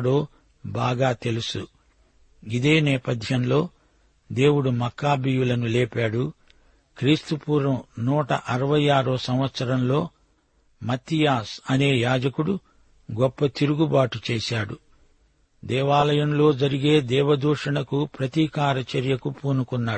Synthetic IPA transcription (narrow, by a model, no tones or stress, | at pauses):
ɽoː | baːɡaːt̪e̞lusu | id̪e̞ːnɛːpɐd̪ʱjɐmlo̞ː | d̪e̞ːwuɽumɐkːaːbijulɐnulɛːpaːɽu | kɾiːst̪upuːɾɐmnuːʈɐ̰ʔɐɾɐʋɐjaːɾoːsɐmʋɐt̪sɐɾɐmlo̞ː | mɐt̪ːijaːsɐne̞ːjaːd͡ʒɐkuɽu | ɡɔpːɐt̪iɾuɡubaːʈut͡ʃeːsaːɽu | d̪ɛːʋaːlɐjɐmlo̞ːd͡ʒɐɾiɡe̞ːd̪ɛːʋɐd̪uːʂɐɳɐkupɾɐt̪iːkaːɾɐt͡ʃɐɾjɐkupuːnukunːaː